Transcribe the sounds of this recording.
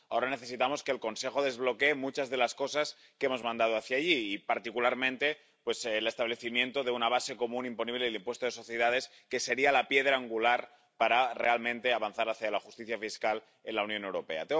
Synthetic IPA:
ao̞ɾane̞θe̞sit̪amo̞ske̞ːlko̞nse̞xo̞ð̞e̞zβlo̞keːmut͡ʃazðe̞lasko̞sas | keemo̞zmãnd̪að̞oaθjaːʎiːpaɾt̪ikulaɾmẽ̞nt̪e̞ | pwe̞sle̞st̪aβ̞le̞θimjẽ̞nt̪o̞ðe̞unaβase̞ko̞mũnimpo̞niβle̞limpwe̞st̪oðeso̞θjeð̞að̞e̞s | ke̞se̞ɾialapje̞ðɾaːŋɡulaɾ | paɾare̞almẽnt̪e̞aβanθaɾaθjalaxust̪iθjafiskal | e̞nlawnjo̞newɾo̞pe̞a̰t̪e

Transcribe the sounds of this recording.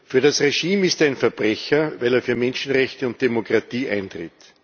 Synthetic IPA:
fyːɐɾasʁeʃiːmɪstːæɪnfɛɐb̥ʁɛçɐvæɪleːɐfyːɐmɛnʃn̩ʁɛçtəʊnt̚d̥emokʁatiːʔæ̰ɪntʁɪ̰t

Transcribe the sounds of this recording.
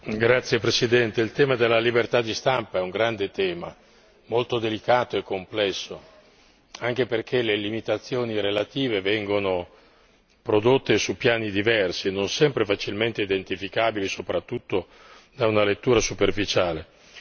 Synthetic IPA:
ɡɾat̪sːjepɾesid̪ɛnt̪eilt̪ɛːmad̪elːalibert̪ad̪ːist̪ampaɛuŋɡɾand̪et̪ɛːma̰ | molt̪od̪elikaːt̪oekːomplɛsːo | aŋk̟eperkʰelelimit̪at̪sːjoːniɾelat̪iːvevɛŋɡono | pɾod̪ot̪ːesupjaːnid̪ivɛrsinonsɛmpɾefat͡ʃilment̪eid̪ent̪ifikaːbilisopɾat̪ːut̪ːo | d̪aunalet̪ːuːɾasuperfit͡ʃaːle

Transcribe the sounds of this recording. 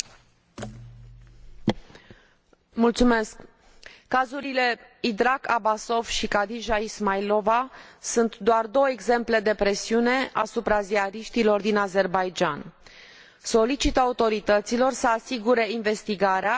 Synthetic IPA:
mult̪sume̞skː | azuɾile̞id̪ɾakabaso̞vʃikad̪iʒaismajlo̞vasunt̪d̪oard̪o̞wəeɡze̞mple̞d̪e̞pɾe̞siune̞ʔa̰supɾaziaɾiʃt̪ilo̞rd̪inaze̞rbajd͡ʒan | so̞lit͡ʃit̪əaut̪o̞ɾit̪ət̪silo̞rsəasiɡuɾe̞inve̞st̪iɡaɾea

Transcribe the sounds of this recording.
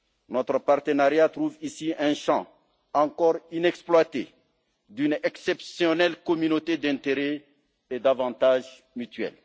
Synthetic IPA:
nɔt̪ʁəpaʁt̪ənaʁjat̪ʁuvisiɛ̃ʃɑ̰̃ | ɑ̃kɔʁinɛksplwat̪e | d̪ynɛksɛpsjɔnɛlkɔmynot̪ed̪ɛ̃t̪eʁɛ | ed̪avɑ̃t̪aʒ | myt̪ɥɛ̰l

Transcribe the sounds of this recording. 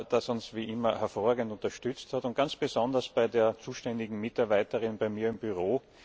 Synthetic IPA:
d̥asʊnsviːʔɪmɐhɛɐfoːɐʁaːɡŋntʊ̃ntɐʃtʏt͡sthatʊnt̚ɡ̥ant͡sb̥ezɔ̃ndɐsb̥aɪdeːɐt͡suːʃtɛndɪɡŋ̩mɪtaɐbaɪtəʁɪnb̥aɪmiːɐɪmbyʁoː

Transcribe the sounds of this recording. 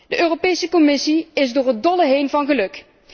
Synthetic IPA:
dəʔøːropejsəkɔmɪsiɪzdʊːɹɦət̚dɔləɦejnvɑnχəlɵk

